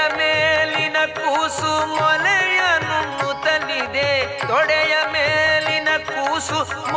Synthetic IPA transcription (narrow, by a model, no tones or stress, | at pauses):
ɐmeːlinɐkusumɔlɛjɐnunut̪ɐnid̪ed̪ɔɽɛjɐmeːlinɐkuːsum